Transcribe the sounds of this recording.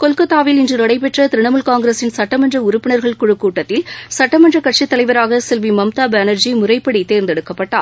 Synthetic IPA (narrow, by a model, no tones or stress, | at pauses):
kɔlkɐt̪ːaːʋɪlɪndrɯnɐɽɐɪpɛʈrɐt̪ɪɾɪɳɐmɯlkaːŋɡɪɾeːsɪnsɐʈːɐmɐndrɐʊɾʊpːɪɳɐɾɣɐɭkʊɻɯkːuːʈːɐt̪ːɪlsɐʈːɐmɐndrɐkɐʈ̚t͡ʃit̪ːɐlɐɪʋɐɾaːɣɐsɪlʋimɐmt̪aːbɐnɐɾd͡ʒimʊrɐɪpːɐɽit̪eːɾnd̪ɛɽɯkːɐpːɐʈːa̰ː